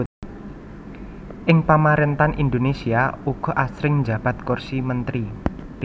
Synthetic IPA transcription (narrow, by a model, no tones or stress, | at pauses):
ʔɪŋpamaɾent̪anʔind̪onesiauɡ̥ɔ̤ʔasɾɪŋd͡ʒab̥a̤t̪kɔrsimənt̪ɾi